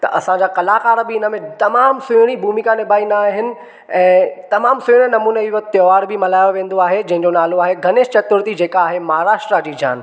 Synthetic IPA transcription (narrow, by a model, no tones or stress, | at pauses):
t̪ɐʔɐsãɲd͡ʑakɐlaːkaːɾəbiɪnəmẽt̪ɐmaːmsʊɽ̃ibʱuːmikãnɪbʱaːinaɦɪnɪ̆ | ɛ̃ːt̪ɐmaːmsʊɽ̃ənɐmuːneiʋɐt̪jɔːʋaːɽbʱɪmɐlaːjoʋẽːn̆d̪oaːɦed͡ʑɐ̃ɦɪ̃ɲd͡ʑonaːloaːɦeɡʱɐneːʃt͡ɕɐt̪ʊɾt̪id͡ʑeːkaaːɦemɐɦaɾaːʃʈɾad͡ʑiːd͡ʑa̰ːn